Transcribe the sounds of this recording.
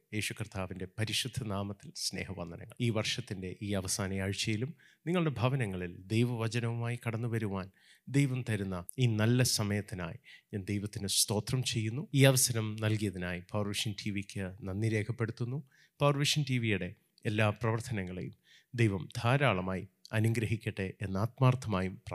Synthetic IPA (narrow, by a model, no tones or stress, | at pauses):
je̞ːɕukrt̪ʰaːʋinde̞pɐɾiʂud̪ʱːɐnaːmɐt̪ːilsne̞̰ːhɐʋɐnd̪ɐnɐ̰ŋːɐɭiːʋɐrʂɐt̪ːinde̞ʔiːɐʋɐsaːnɐjaːɻit͡ɕːɐjilum | niŋːɐɭuɽe̞bʱɐʋɐnɐŋːɐɭild̪ejʋɐʋɐt͡ɕɐnɐʋumaːjikɐɽɐnːuʋɐɾuʋaːn | d̪e̞jʋɐmt̪ɐɾunːɐiːnɐlːɐsɐmɐjɐt̪ːina̰ːjiɲaːnd̪ejʋɐt̪ːinɨst̪o̞ːt̪rɐmt͡ɕe̞jːunːuiːɐʋɐsɐɾɐmnɐlkijɐðinaːjipɐwrʋiʂɐntʰiʋikʲːɨnɐnːiɾe̞ːkʰɐpːe̞ɽut̪ːunːu | pɐʋrʋiʂɐntiʋijuɽe̞ | elːaːprɐʋɐrt̪ʰɐnɐŋːɐɭḛjum | d̪ejʋɐmd̪ʱaːɾaːɭɐmaːjiɐnuŋɡɾɐɦikʲːiʈːɨʔenːaːt̪̚maːrt̪ʰːɐmaːjumprɐ